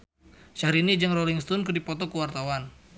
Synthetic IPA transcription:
ʃaɾinid͡ʒaŋroliŋst̪ɔnkɨrdipɔt̪ɔkəwart̪awan

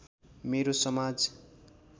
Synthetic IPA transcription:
meɾosʌmad͡z

